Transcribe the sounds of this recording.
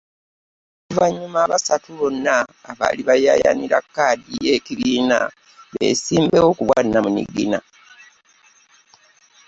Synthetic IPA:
kuvaɲːumaːβasatuβo̞nːaːβa̰ːliβajaja̰niɾakːaːdijekiβiːna̰ | βḛsiːmbeo̞kuβwanːamunḭɡina

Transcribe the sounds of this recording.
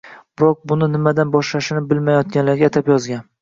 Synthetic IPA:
b̥ɪɾɒk̚bʊnɪnɪmad̪anbɒʃlaʃɪnɪbɪlmajɒt̪̚ɡʲanlaɾɡʲat̪ʰapjɒzɡʲan

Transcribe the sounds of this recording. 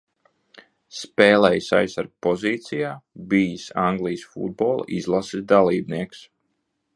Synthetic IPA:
spɛːlɛjsa̰jsaɾɡ̚pɔziːt̪sijaːbiːsaŋɡlˠijsfṵd̪̚bɔːl̰ˠḭzlˠasid̪alˠiːbniɛks

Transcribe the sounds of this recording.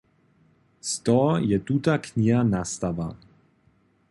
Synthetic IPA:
st̪ɔjɛt̪ut̪akɲiɦanast̪ava

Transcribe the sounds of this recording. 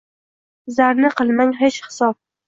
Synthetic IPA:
zaɾnɪqʰɨlˠmaŋɦet͡ʃhɪ̥sɒp̚

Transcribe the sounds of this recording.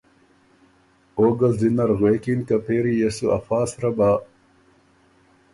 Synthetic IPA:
oːɡɐlzinɐɾɣweːkinkɐpʰeːɾijɐsuɐ̰faːsɾɐbaː

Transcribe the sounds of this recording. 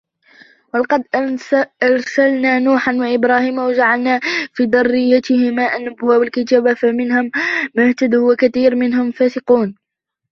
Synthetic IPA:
walɑqɑd̪ʔɑɾˤsalnaːnuːħanwaʔɪbɾɑːhiːmawad͡ʒaʕalnaːfiːd̪ɑrˤːɪjːat̪ɪhɪmaːʔanːʊbʊwaːbɪlkɪt̪aːbafamɪnhʊmːʊht̪ad̪uwakaθiːɾmɪnɦʊmfaːsɪquːn

